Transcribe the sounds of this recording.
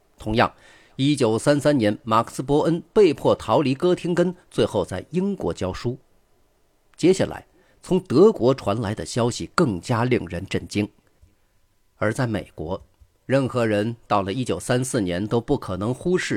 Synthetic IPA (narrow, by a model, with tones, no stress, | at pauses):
t̪ʰʊ˧˥ŋjɑ̰˥˩ŋ | i˥t͡ɕjo˨˩ʊsa˥nsa˥nnjɛ˧˥nma˨˩kʰs̩˥˩pwɔ˧˥ʔə˥npe˥˧ɪpʰwɔ˥˩t̪ʰɑ˧˥ʊli˧˥kɤ˥t̪ʰi˥ŋkə˥nt͡swe˥˧ɪxo˥˧ʊt͡sa˥˩ɪi˥ŋkwɔ˧˥t͡ɕjɑ˥ʊʂu˥ | t͡ɕjɛ˥ɕa̰˥˩lʔa̰˧˥ɪ | t͡sʰʊ˧˥ŋt̪ɤ˧˥kwɔ˧˥ʈ͡ʂʰwa˧˥nla˧˥ɪd̪ə̰˧ɕjɑ˥ʊɕi˨˩kɤ˥˩ŋt͡ɕja˥li˥˩ŋɻə˧˥nʈ͡ʂə˥˩nt͡ɕi˥ŋ | ə˞˧˥t͡sa˥˩ɪmḛ˨˩ɪkwɔ˧˥ | ɻə˥˩nxɤ˧˥ɻə˧˥nt̪ɑ˥˩ʊlə˩i˥t͡ɕjo˨˩ʊsa˥nsɹ̩˥˩njɛ˧˥nt̪o˥ʊpu˥˩kʰɤ˨˩nɤ˧˥ŋxu˥ʂɻ̩˥˩